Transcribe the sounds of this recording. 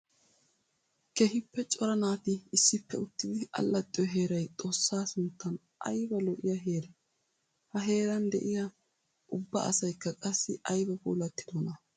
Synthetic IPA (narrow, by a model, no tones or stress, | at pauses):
kehɪpːɛt͡ʃʼɔɾɐnaːt̪ɪːsːɪpːɛʊt̪ːɪd̪ɪɐ̰lːɐt̪ʼːɪjɔɦe̞ːɾɐjt̪ʼo̞ːsːaːsʊnt̪ːɐn | ʔɐ̰jbɐlɔʔɪjɐɦe̞ːɾɛ | hɐɦe̞ːɾɐnd̪ɛ̰ʔɪjɐ | ʔʊbːɐ̰ɐ̰sɐjkːɐkʼɐsːɪ̰ɐjbɐpo̰ːlɐt̪ːɪd̪ɔnɐ